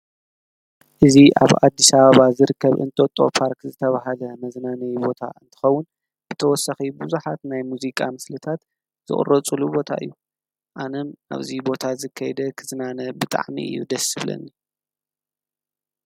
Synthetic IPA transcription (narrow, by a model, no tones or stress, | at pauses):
ʔɨziʔa̰βa̰d̪ːisaβaβazɨɾɨkʰːɐβʔɨ̰nt̪ʼo̞t̪ʼo̞̰pʰaɾkzɨt̪ʰɐβaɦalɐmɐznanɐjbo̞t̪ʰa̰ɨnt̪ʰɨ̥xɐwːʊn | b̥ɨt̪ʰɐwɔsɐxibɨzuħat̪najmuzikʼa̰mɨslɨt̪ʰat̪ | z̥ɨ̰χʼɨ̰rɐt͡sʼulubo̞t̪ʰa̰ʔɨ̰jːu | ʔanɨmʔa̰βzibo̞t̪ʰazɨkʰːajɛd̪ɐkʰɨznanɐbɨt̪ʼa̰ʕmḭʔɨ̰jːud̪ɐsɨβlɐ̰nːi